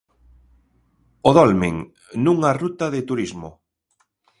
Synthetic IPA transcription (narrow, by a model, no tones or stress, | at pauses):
oðɔlmḭŋ | nũŋarut̪aðɪt̪uɾizmo